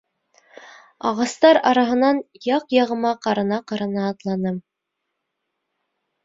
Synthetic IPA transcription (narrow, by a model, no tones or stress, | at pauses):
ɑʁɑst̪ɑɾɑɾɑɦɤ̆nɑnjɑqjɑʁɤ̆mɑqɑɾɤ̆nɑqɑɾɑnɑːt̪lˠɑnɤm